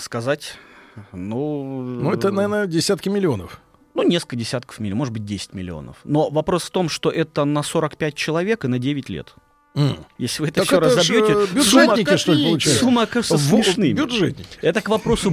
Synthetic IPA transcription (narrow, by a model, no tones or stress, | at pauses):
skɐzatʲ | nunuɛt̪ənɐvʲernədʲɪsʲat̪kʲɪmʲɪlʲɪo̞nəf | nunʲeskəkədʲɪsʲat̪kə̥fmʲɪmo̞ʐɨd̪bɨt̚ʲdʲesʲɪ̥tʲmʲɪ̰lʲɪ̰o̞̰nə̰fno̞vɐpɾo̞sft̪o̞mʂt̪o̞ʔɛt̪ənɐso̞ɾəkpʲæt̚ʲt͡ɕɪlˠɐvʲe̞kɨnɐdʲevʲɪtʲlʲḛt̪̩ | jesʲlʲɪvɨɛt̪əɕoɾazzɐbjotʲɪbʲʊsʐuemʲnʲɪkʲɪʂt̪olʲpəlˠʊt͡ɕæsjsumːəɐkaʐɨt̪əsvnɨbʲʊʐɛt̪̚ʲnʲɪkʲɛt̪əkvɐpɾo̞sʊ